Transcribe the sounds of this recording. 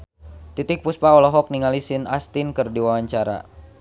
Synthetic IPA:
t̪it̪ɪk̚puspaɔlɔɦɔk̚niŋalisinast̪inkɨrdiwawaɲt͡ʃaɾa̰

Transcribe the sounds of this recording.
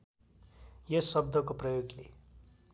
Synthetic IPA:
jʌsʌb̚d̪ʱʌkoprʌjoɡlḛ

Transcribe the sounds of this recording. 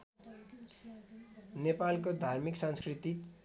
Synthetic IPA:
nepalkod̪ʱarmiksʌ̃nskrit̪i

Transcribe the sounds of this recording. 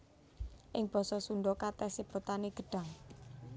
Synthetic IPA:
ʔɪŋb̥ɔ̤sɔsuɳɖɔkat̪ɛsipɾot̪aneɡ̥ə̤ɖ̥a̤ŋ

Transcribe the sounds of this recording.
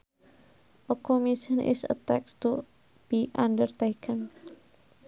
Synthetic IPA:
ʔəkomisənʔɪ̰sə̰t̪ɛkst̪u | b̥iʔandərt̪ekʰən

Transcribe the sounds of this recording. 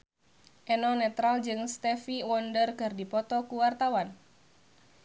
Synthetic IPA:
ʔɛnɔnɛt̪ɾald͡ʒɨŋst̪ɛfiwɔndərkɨrdipɔt̪ɔkuwart̪awan

